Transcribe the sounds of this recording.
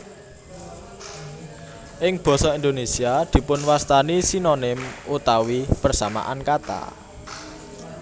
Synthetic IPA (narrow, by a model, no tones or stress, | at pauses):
ʔɪŋb̥ɔ̤sɔind̪onesiad̪̥i̤pʊnwast̪anisinonɪmʔut̪awipərsama̰ʔankat̪a̰